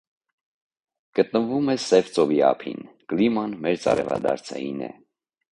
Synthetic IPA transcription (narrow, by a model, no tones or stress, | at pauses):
ɡ̥ət̪nəvumɛsɛvt͡sɔviɑpʰḭn | klimɑnmɛɾt͡sɑ̰ɾɛvɑ̰d̪ɑɾt͡sʰɛjinɛ̰